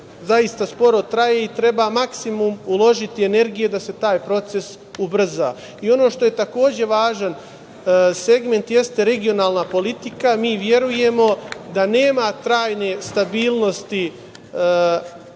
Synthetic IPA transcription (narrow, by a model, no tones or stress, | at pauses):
zajist̪aspo̞ɾo̞t̪ɾaje̞it̪ɾe̞bamaksimumulo̞ʒit̪ie̞ne̞ɾɡije̞d̪ase̞t̪aːjpɾo̞t̪se̞s | ubr̩za̰ː | io̞no̞ːʃt̪o̞je̞t̪ako̞ːd͡ʑe̞ʋaːʒan | se̞ɡme̞nt̪je̞st̪e̞ɾe̞ɡio̞naːlˠnapo̞lit̪ikamiːʋje̞ɾuje̞mo̞d̪ane̞ːmat̪ɾaːjne̞st̪abiːlˠno̞st̪i